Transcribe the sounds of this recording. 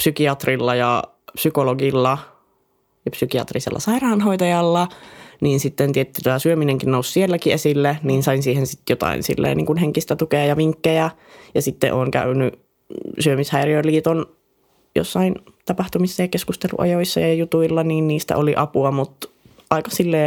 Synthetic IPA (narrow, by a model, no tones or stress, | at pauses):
psykiɑt̪rilːɑjɑ | psykoloɡilːɑ | jɑpsykiɑ̰t̪risḛlːɑ̰sɑirɑːnɦoit̪ɑjɑlːɑniːnsit̪ːent̪iet̪ːit̪ɑsyømineŋkinnoussielːækiesilːeniːnsɑinsiːhensit̪jot̪ɑ̰ḭnsḭlːḛniːŋkunheŋkist̪æt̪ukeɑjɑʋiŋkːejæ | jɑsit̪ːḛʔoːŋkæ̰yny | syømishæiriøliːt̪on | jo̰sːɑin | t̪ɑpɑht̪umisːɑjɑkeskust̪elṵʔɑ̰joisːɑjɑjɑjut̪uilːɑniːnniːst̪æ̰oliʔɑpuɑmut̪ | ʔɑikɑsilːeː